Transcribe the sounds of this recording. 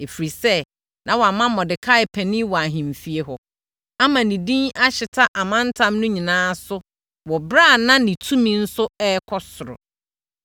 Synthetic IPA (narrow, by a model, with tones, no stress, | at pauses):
e˨fi˨ɾi˨sɛ˦ | nʔã˨wɔ˨a˨mã˦mɔ˨dɪ˨kʰa˦ɪ˨pʰɛ˨nĩ˦wɔ˨a˨ɦĩ˨m˨fi˨e˦ɦɔ˨ | a˦mã˨nĩ˨dĩ˦na˦ɕɪ˨tʰa˦ʔa˨mã˦n̩˦tʰã˦mnʊ̃˦ɲĩ˨nãː˦sʊ˦ | wɔ˨bɾa˦˨nã˦nĩ˨tʰũ˦mĩ˦n̩˦sʊ˦ɛ˦kʰɔ˦sʊ˨ɾʊ̰˨